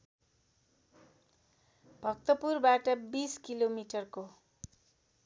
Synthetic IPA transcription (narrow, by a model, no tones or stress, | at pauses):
bʱʌk̚t̪ʌpurbaʈʌbiskilomiʈʌrko